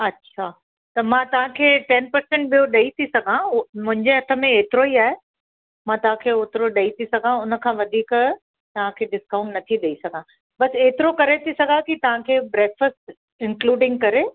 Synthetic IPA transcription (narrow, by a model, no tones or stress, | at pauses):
ɐtːɕʰaː | t̪ɐmãːt̪ɐʋ̤ãkʰeːʈɛnpɐɾsɛ̃ɳʈ̚ɓijoɗɐit̪ʰisɐɡʱãmʊ̃ɦɪ̃ɲd͡ʑeɦɐt̪ʰə̆mẽeːt̪ɪɾoiaːɦe | mãːt̪ɐɦãkʰeːʊt̪ɾoɗɐit̪ʰisɐɡʱãʊnə̆kʰãːʋɐd̪ʱiːk | t̪ɐʋ̤ãkʰeːɖɪskãʊ̃ɳʈnɐt̪ʰiɗ̪eisɐɡʱã | bɐseːt̪ɪɾokɐɾet̪ʰisɐɡʱakit̪ɐʋ̤ãkʰeːbɾeːkfəsʈ | ɪ̃ŋkluːɖɪ̃ŋɡ̚kɐɾe